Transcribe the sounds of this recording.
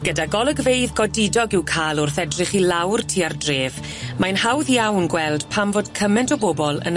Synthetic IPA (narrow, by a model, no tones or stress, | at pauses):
ɡ̥ədaɡɔlˠəɡvejðɡɔdɪdɔɡɪwkʰaːlˠʊrθɛdrɪχilawrtʰiːardreːv | majnhawðjawnɡwɛlˠd̥pʰamvoːd̥kʰəmɛntʰɔbobɔlˠə̰n